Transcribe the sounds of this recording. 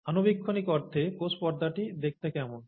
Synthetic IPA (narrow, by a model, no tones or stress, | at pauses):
anobikʰːonikɔɾt̪ʰːekospɔɾd̪ʱaʈid̪ek̚t̪ekɛmon